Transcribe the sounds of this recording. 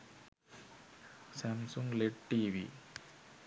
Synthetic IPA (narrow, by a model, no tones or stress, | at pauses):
samsuŋɡleʈ̚ʈːiːʋḭ